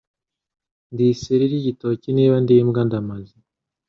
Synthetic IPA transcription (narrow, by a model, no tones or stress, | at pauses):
ndiseɾiɾiɟitociniːβandimɡandamazi